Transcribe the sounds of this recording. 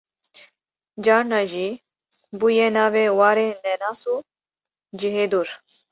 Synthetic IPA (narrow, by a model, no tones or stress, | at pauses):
d͡ʒaːɾnaːʒiː | bujɛnaːveːwaːɾenɛnaːsuː | d͡ʒiɦeːd̪uːɾ